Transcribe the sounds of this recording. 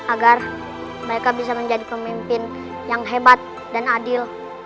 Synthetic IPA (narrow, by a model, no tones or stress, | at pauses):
ʔaɡar | məɾekabis̬aməɲd͡ʒadipəmimpɪn | jaŋɦebat̪̚ | danadɪl